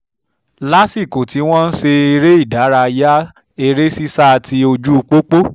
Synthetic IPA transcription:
la˦si˦˨ko˨ti˨˦w̃ɔ̃˦n̩˦ʃe˧e˧ɾe˦i˦˨da˨˦ɾa˧ja˦ | e˧ɾe˦si˦sa˦˧ti˧o˧d͡ʒu˦˧k͡po˦k͡po˦

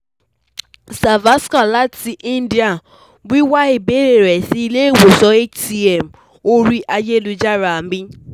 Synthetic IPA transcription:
sa˨va˦ska˨la˦ti˨ʔi˦n̩˦di˨a˨ | ɡ͡bi˦wa˦ɪ˨be˦ɾe˨ɾe˨si˦le˦e˦˨wo˨sɔ˦e˦t͡ʃti˦ɛ˨m̩˨ | o˦ɾi˦ʔa˦d͡ʒe˦lu˨d͡ʒa˦ɾa˨m̩˦i˦

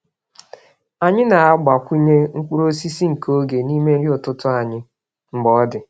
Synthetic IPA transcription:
a˨ɲɪ˦na˨a˦ɡ͡ba˨kʷu˦ɲe˦ŋ̩˦kʷu˦ɾo˦si˦si˦ŋ̩˨ko˦ɡe˨ni˦me˦ɾi˦ʊ˨tʊ˦tʊ˦a˨ɲɪ˦ | ŋ͡m̩˨ɡ͡bɔ˨ɔ˦dɪ˨

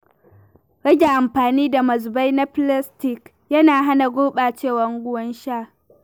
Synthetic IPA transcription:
ɽɐ˦ɡʲe˨ʔa˨mɸaː˨niː˦da˨mɐ˨zba˦jna˦pla˦stɪ˨k | jɐ˦naː˨ɦa˦na˨ɡʷoː˦ɓaː˨t͡ʃeː˦˨wɐ˦ŋɡʷʊ˦wɐ˦nʃaː˦˨

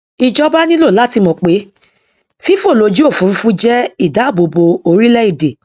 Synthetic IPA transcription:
i˧d͡ʒɔ˦ba˦nĩ˦lo˦˨la˦ti˧mɔ̃˨k͡pe˨˦ | fi˦fo˦˨lo˧˦d͡ʒu˦o˦˨fũ˨˦˧fũ˦d͡ʒɛ˦i˦˨da˨˦˨bo˧bo˧o˧ɾi˦lɛ˦i˦˨de˨

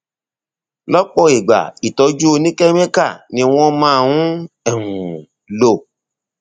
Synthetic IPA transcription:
lɔ˦k͡pɔ˦˨i˨ɡ͡ba̰˨i˨tɔ˨˧˦d͡ʒu˦o˧nĩ˦kɛ˦mẽ˦ka˦˨nĩ˧w̃ɔ̃˦mãː˦˧˨wũ˦ | ɛ˦˨hũ˨ | lo˦˨

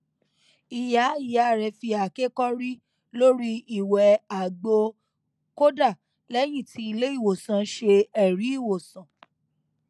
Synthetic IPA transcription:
i˨ja˨˦i˨ja˨ɾɛ˧fi˧a˨ke˦kɔ˦ɾi˦ | lo˦ɾi˦i˨wɛ˨a˨ɡ͡bo˧ | ko˦da˦˨ | lɛ˦j̃ĩ˦˨ti˧˦i˧le˦i˦˨wo˨sã˨˦ʃe˧ɛ˦˨ɾi˨˦i˦˨wo˨sã˨

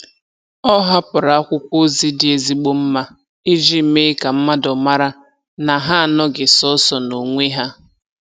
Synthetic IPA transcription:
ɔ˦ɦa˦pʊ˨ɾa˨a˦kʷʊ˦kʷo˦zi˦dɪ˨e˨zi˦ɡ͡bo˦m̩˦ma˦ | i˦d͡ʒi˦˨˦me˦ka˨m̩˦ma˦dɔ˨ma˦ɾa˦ | na˨ɦa˦a˨nɔ˦ɡɪ˨sɔ˦sɔ˨no˨ŋʷe˦ɦa˦

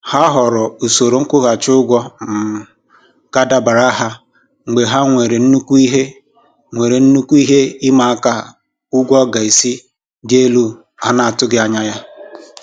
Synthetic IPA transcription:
ha˦ɦɔ˨ɾʊ˨u˨so˨ɾo˨ŋ̩˦kʊ˦ɣa˨t͡ʃʊ˦ɡʷɔ˦m̩˨ | ɡa˦da˦ba˨ɾa˦ɦa˦ | ŋ͡m̩˨ɡ͡be˨ɦa˦ŋʷe˨ɾe˨n̩˦nu˦kʷu˦i˦ɦe˦ | ŋʷe˨ɾe˨n̩˦nu˦kʷu˦i˦ɦe˦ɪ˦ma˨a˦ka˦ | ʊ˦ɡʷɔ˦ɡa˨i˨si˦ | dɪ˦e˦lu˦ | a˦na˨a˨tʊ˦ɡɪ˦a˨ɲa˦ja˦

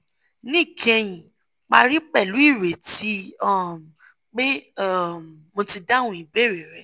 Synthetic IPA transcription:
nĩ˦˨kʰɛ̃˧j̃ĩ˨ | k͡pa˧ɾi˦k͡pɛ˦˨lu˨˦i˦˨ɾe˨ti˨˦ɔ˦˨m˨ | k͡pe˦˨ | mo˧ti˧da˦wũ˧˦i˨be˦˨ɾe˨ɾɛ˨˦

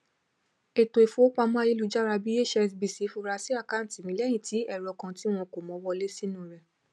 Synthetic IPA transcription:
e˨to˨e˨fõ˨˦o˦k͡pa˧mãː˦je˦lu˨˧d͡ʒa˦ɾa˧bi˦e˦˨ʃɛ˧sbi˨si˨˦fu˧˦ɾa˧si˦a˦˨kã˦˨ti˨mĩ˨˦lɛ˦jĩ˦˨ti˨˦ɛ˦˨ɾɔ˧˨kã˧ti˦w̃ɔ̃˧ko˨mɔ̃˨˦wɔ˧le˦si˦nũ˦˨ɾɛ˧

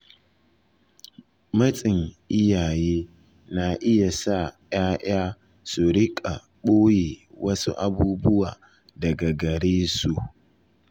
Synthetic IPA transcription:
mɐ˦t͡sʼɪ˨ŋʔɪ˦jaː˨jeː˦ | na˨ʔɪ˦ja˨sa˦j̰aː˦ʔj̰aː˦ | su˨ɾɪ˦kʼa̰˨ | ɓoː˦jeː˨wɐ˦sṵ˦ʔa̰˨buː˦bʊ˦waː˨ | dɐ˨ɡɐ˨ɡɐ˨ɽeː˦su˨

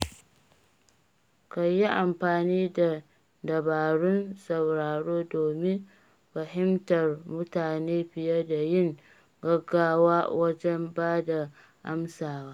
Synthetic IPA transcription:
ka˨jːi˦ʔa˨mɸaː˨niː˦da˨ | dɐ˨baː˨ɽʊ˦nsɐ˨wɾaː˨ɽoː˦doː˨mɪ˦ | ɸɐ˨ɦɪ˦mtɐ˨rmʊ˦taː˨neː˦ɸɪ˨jɐ˦da˨jɪ˦ŋ | ɡɐ˦ɡːaː˦waː˦wʔɐ˦d͡ʒɛ˦mbaː˦da˨ | ʔa˦msaː˨waː˦

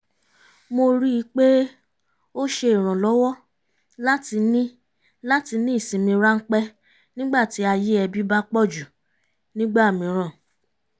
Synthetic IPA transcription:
mo˧ɾi˦i˧˦k͡pe˦ | o˦ʃe˧i˨ɾ̃ã˨lɔ˨˦wɔ˦ | la˦ti˧nĩ˦ | la˦ti˧nĩ˦i˦˨sĩ˨mĩ˧ɾa˦ŋ̩˦k͡pɛ˦ | nĩ˦ɡ͡ba˦˨ti˨˦a˧je˦ɛ˧bi˦ba˦k͡pɔ˦˨d͡ʒu˨ | nĩ˦ɡ͡ba˦˨mĩ˧ɾ̃ã˦˨

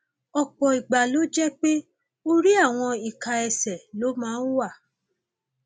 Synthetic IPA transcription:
ɔ˨k͡pɔ˨i˨ɡ͡ba˨lo˨˦d͡ʒɛ˦k͡pe˦ | o˦ɾi˦a˦˨w̃ɔ̃˧i˨ka˨ɛ˧sɛ˨lo˨˦mãː˦n̩˦wa˦˨

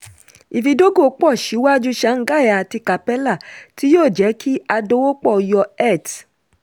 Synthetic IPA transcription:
i˨fi˧do˦ɡo˦˨˦k͡pɔ˦˨ʃi˨˦wa˦d͡ʒu˦ʃa˨˦ŋ̩˨˦ɡa˦˨a˨ti˧ka˨pɛ˦la˦˨ti˦joː˦˨d͡ʒɛ˨˦kʰi˦a˧do˦wo˦k͡pɔ˦˨jɔ˧ɛ˦˨t

